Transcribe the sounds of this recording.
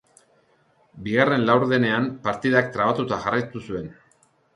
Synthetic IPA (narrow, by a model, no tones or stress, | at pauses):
biɣare̞nlawɾðe̞ne̞ampaɾt̪iðak̚t̪ɾaβ̞at̪ut̪aʝarajt̪usue̞n